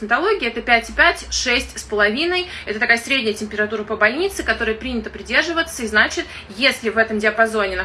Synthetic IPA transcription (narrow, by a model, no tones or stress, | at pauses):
nʲɪt̪ɐlˠo̞ɡʲɪɛt̪əpʲætʲɪpʲætʲʂɛsʲtʲspəlˠɐvʲinəjɛt̪ət̪ɐkajəsɾʲedʲnʲɪjətʲɪmpʲɪɾɐt̪uɾəpəbɐlʲnʲit̪sɨkɐt̪o̞ɾəjəpɾʲinʲɪt̪əpɾʲɪdʲe̞rʐɨvət̪səiznat͡ɕɪt̪ | jesʲlʲɪvɛt̪əmdʲɪɐpɐzo̞nʲɪn